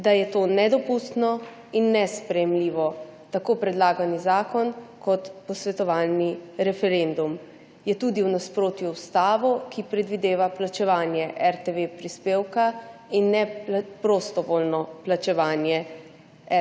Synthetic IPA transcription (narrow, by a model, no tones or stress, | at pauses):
d̪ajɛt̪onɛd̪ɔpust̪nɔ | inːɛspɾɛjɛmliːʋɔt̪akoːpɾɛd̪laːɡanizaːkɔnkɔt̪pɔsʋɛt̪ɔʋaːlniɾɛfɛɾend̪um | jɛt̪uːd̪iwnaspɾoːt̪juwst̪aːʋɔkipɾɛd̪ʋid̪eːʋaplat͡ʃɛʋaːnjɛʔɛɾt̪eʋepɾispeːwkainːɛpɾost̪ɔʋoːlnɔplat͡ʃɛʋaːnjɛ | ɛ